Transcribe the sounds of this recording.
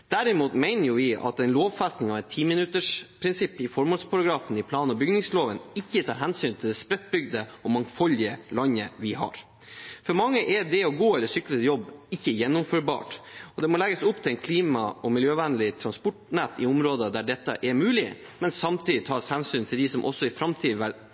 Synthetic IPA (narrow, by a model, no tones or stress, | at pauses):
d̪̥æɾɪmuːt̪mɛɪnəɾjʊʋɪɑ̰t̪ɛɪnloːʋfɛst̪nɪŋɑʋɛt̪ʰːiːmɪnʉt̪əʂpʰɾɪnsɪpːɪfɔɾmoːlspʰɑɾɑɡɾɑːfən̩ɪpʰlɑːnɔbʏɡnɪŋsloːʋənɪçːət̪ʰɑːɾɦɛnsyːnt̪ʰɪld̪ɛspɾɛt̪̚ːbʏɡd̪əɔmɑŋfɔlɪəlɑɲːəʋɪhɑ̰ɾ | fɔɾmɑŋːəʔɛɖɛɔɡoːɛlːəsʏkːləjɔbːɪçːəjɛnːʊmfœɾbɑ̰ːʈɔd̪ɛmɔlɛɡəsʊpːt̪ʰɪlɛɪnkʰliːmɑɔmɪljøːʋænəlɪt̪ʰɾɑnspɔʈnæːt̪ɪʊmɾoːd̪əd̪æɖɛt̪ːəʔɛɾmʉːlɪ | mɛnsɑmt̪ʰiːd̪ɪt̪ʰɑːshɛnsyːnt̪ʰɪld̪ɪsɔmʔɔ̰sːɔɪfɾɑmt̪ʰiːd̪ʋæɾ